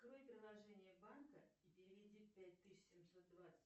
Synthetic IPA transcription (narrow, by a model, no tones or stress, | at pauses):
kɾo̞jpɾʲɪlˠɐʐɛnʲɪjəbankəipʲɪɾʲɪɾʲɪdʲit̪̚pʲæt̚ʲt̪ɨɕsʲɪmso̞t̪̚d̪vat̪sə̥tʲ